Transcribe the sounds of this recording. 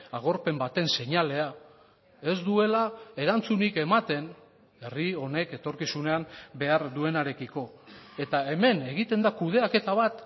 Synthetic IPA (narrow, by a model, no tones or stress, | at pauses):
aɣ̞o̞ɾpe̞mbat̪e̞nse̞ɲale̞a | e̞zd̪ue̞lae̞ɾant͡sunike̞mat̪e̞n | e̞rio̞ne̞ke̞t̪o̞ɾkisune̞ambe̞aɾd̪ue̞naɾekiko̞ | e̞t̪ae̞me̞ne̞ɣit̪e̞nd̪akuð̞e̞ake̞t̪aβ̞at̪